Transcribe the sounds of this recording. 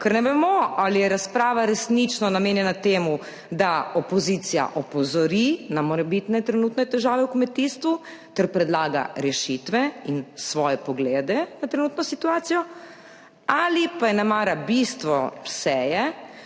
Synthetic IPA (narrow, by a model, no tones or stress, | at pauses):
kaɾnɛʋɛmɔalijɛɾaspɾaːʋaɾɛsnit͡ʃnɔnameːnjɛnat̪eːmu | d̪aɔpɔzit̪sija̰ʔɔpɔzɔɾinamɔɾɛbit̪nɛt̪ɾɛnut̪nɛt̪ɛʒaːʋɛukmɛt̪iːst̪ʋu | t̪ɛɾpɾɛd̪laːɡa̰ɾɛʃit̪ʋɛinsʋɔjɛpɔɡleːd̪ɛnat̪ɾɛnuːt̪nɔsit̪uaːt̪sijɔ | alipajɛnamaːɾabist̪ʋɔsɛːjɛ